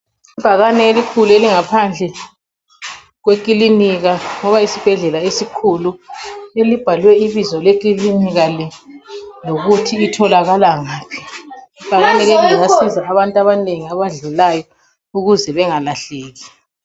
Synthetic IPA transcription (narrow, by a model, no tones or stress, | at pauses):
ib̥ʱaɣanɛelikʰulueliŋapʰand͡ɮʱɛ | ɣwekʼiliniɣaŋɔβaisib̥ʱɛɮɛlaesikʰuluelib̥ʱalwɛiβizɔlek̬ʼiliniɣali | loɣutʰiːtʰɔlaɣalaŋaːpʰi̥ib̥ʱaɣanɛɣɛŋiŋasizʱaːβantʼaβaneŋiaβaɮulajɔ | uɣuzɛβɛŋalaɬeːɣi